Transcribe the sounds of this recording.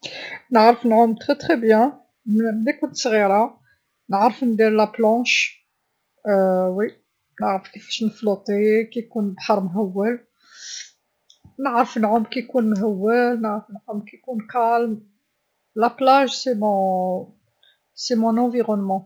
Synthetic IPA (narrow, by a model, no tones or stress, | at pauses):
nəʕɾəfnʕʊmt̪χet̪χebjæ̃ | mmd̪ikunt̪sɣiɾa | nəʕɾəfnd̪iɾlaplɑ̃ʃ | wi | nəʕɾəfkifæ̥ʃnəflot̪ˤekijkunbħəɾˤmɦæwːəl | nəʕɾəfnʕʊmkijkunmɦæwːəlnəʕɾəfənʕʊmkikunkælm | laplaʒsemɔ̃ | semɔ̃nɑ̃viʁɔnmɑ̃